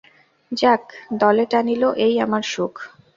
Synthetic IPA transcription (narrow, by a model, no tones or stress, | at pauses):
d͡ʑakd̪ɔleʈaniloʔejamaɾʃukʰ